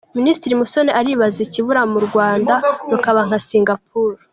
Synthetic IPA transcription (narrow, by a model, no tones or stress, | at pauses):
ministiɾimusoneʔaɾiβaziciβuɾamuɾɡwaːndanukaβaŋ̥hasiːŋɡap̚uːɾu